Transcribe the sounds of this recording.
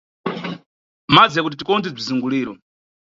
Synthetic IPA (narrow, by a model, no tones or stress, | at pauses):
mad͡zɛkut̬itikɔndib͡ʐiziŋɡuliːɾɔ